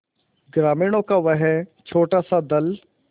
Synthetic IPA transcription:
ɡɾaːmɪːɽõːkaʋəɦɛt͡ʃʰoːʈaːsad̪ɐl

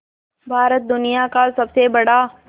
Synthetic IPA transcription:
bʱaːɾət̪̚d̪ʊnɪjakasɐbsebɐɽaː

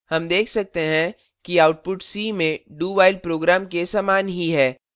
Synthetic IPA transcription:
hɐmd̪eːkʰsɐk̚t̪eɦɛ̃ | kiaːʊʈ̚pʊʈsiːmẽɖuːbaːɪl̚pɾoːɡɾaːmkesaːmaːnɦiɦɛː

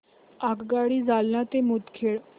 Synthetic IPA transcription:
akɡaːɽiːzaːlnãːt̪emʊt̪kʰeːɭ

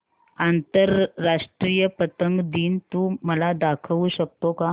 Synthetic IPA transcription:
ant̪əɾːaʂʈɾijəpət̪əŋɡd̪iːnt̪uməlad̪akʰəʋuɕək̚t̪oka

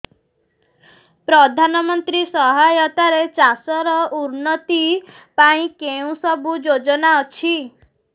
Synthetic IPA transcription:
pɾɔd̪ʱanɔmɔnt̪ɾisɔɦajɔt̪aɾet͡ʃasɔɾɔuɾnɔt̪i | paĩkeũsɔbud͡ʒod͡ʒɔnaɔt͡ʃʰi

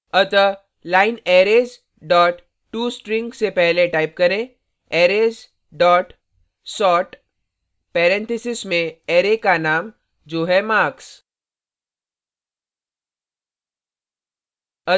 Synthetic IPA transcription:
ət̪ə | laːɪneːɾeːz | ɖɔːʈ | ʈːuːsʈɾɪ̃ŋɡsepɛɦleʈaːɪp̚kɐɾẽ | eːɾeːz | ɖɔːʈ | sɔːʈ | pɛːɾɛ̃nt̪ʰɪsɪsmẽeːɾekanaːm | d͡ʒoːɦɛmaːks | ə

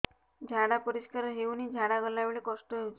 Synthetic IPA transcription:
d͡ʒʱaɽapɔɾiskaɾɔɦewnid͡ʒʱaɽaɡɔlabɭekɔsʈɔɦewt͡ʃʰ

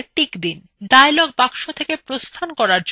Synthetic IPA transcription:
ʈikd̪in | ɖajlɔɡ̚pakʃot̪ʰekepɾost̪ʰankɔɾaɾd͡ʑ

